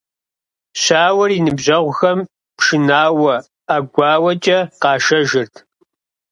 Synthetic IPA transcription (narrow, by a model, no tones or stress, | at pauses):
ɕaːwɐrinɨbʑɐʁʷʊxɐm | pʰʂɨnaːwɐ | aɡʷɑːwɐt͡ʃʼɐqɑːʃɐʒɨrtʰ